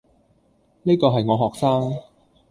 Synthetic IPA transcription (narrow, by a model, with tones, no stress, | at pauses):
ni˥kɔː˧ɦɐ˨jŋɔː˨˧ɦɔː˨k̚saː˥ŋ